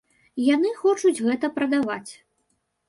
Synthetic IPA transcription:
janɨxɔt͡ʂud͡zʲɣɛt̪ɐpɾɐd̪ava̰t͡sʲ

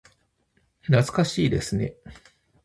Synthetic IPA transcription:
nat͡sɨ̥kaɕiːd̪e̞sɨne̞

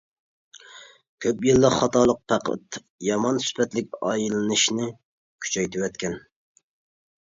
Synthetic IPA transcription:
kʲʰøpjilˠːəχɑt̪ʰɑlˠəq̚pʰæqʰə̰t̪ | jɑmɑnsy̥pʰɛt̪lɪk̚ʲɑ̰jilɨnɨʃnɪ | kʲʰy̥t͡ʃʰɛjt̪ʰɪwɛt̪kʲɛn

